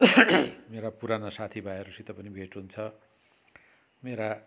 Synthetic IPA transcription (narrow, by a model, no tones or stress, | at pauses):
meɾapuɾanasat̪ʰibʱaeɾusit̪ʌpʌnibʱeʈɦunt͡sʰʌ | meɾa